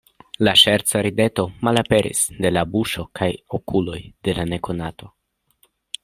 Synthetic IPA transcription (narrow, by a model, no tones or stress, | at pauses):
laʃeɾt͡saɾide̞to̞malape̞ɾʔḭsde̞labuʃo̞kajokulo̞jde̞lane̞ko̞nato̞